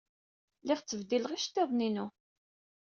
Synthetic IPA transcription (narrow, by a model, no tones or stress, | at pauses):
lɪʁt͡sːəvd̪ilʁiʃt̪ːeðˤninu